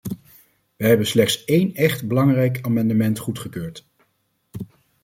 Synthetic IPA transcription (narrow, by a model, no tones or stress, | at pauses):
ʋəɦɛbənslɛχtsejnɛχtbəlɑŋrɛjkaːmɑndəmɛntχutχəkøːɹt